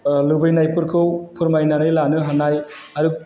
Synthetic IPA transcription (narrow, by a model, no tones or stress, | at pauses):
lɯbɯjnajpɯɾkʰɯwpʰɯɾmajnanɯjlanɯɦanaj | aɾɯ